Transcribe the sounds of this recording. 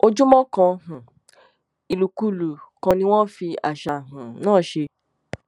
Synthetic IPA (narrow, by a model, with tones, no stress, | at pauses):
o˧d͡ʒũ˦mɔ̃˦kã˧hũ˨ | i˨lu˨ku˨˦lu˨kã˧nĩ˧˦w̃ɔ̃˦fi˧a̰˨ʃa˨ɦũ˨nãː˦˨ʃe˧